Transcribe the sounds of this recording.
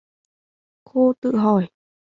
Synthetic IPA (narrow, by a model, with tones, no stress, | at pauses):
kʰuː˧˩t̪ɨ̰˧˨ɦɔ˧˩j